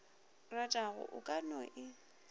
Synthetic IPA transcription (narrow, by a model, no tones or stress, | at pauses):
ratʼaɣʊ̰ʔʊkʼanɔʔɪ